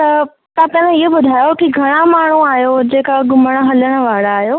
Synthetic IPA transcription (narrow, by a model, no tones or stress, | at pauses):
t̪ɐ | t̪ãt̪ɐ̃ʋẽɪɦobʊd̪ʱaːjokiɡʱɐɽ̃amaːɳ̤uaːɦjod͡ʑeːkaɡʱʊməɽ̃ə̆ɦɐləɽ̃ə̆ʋaːɽaːɦjoː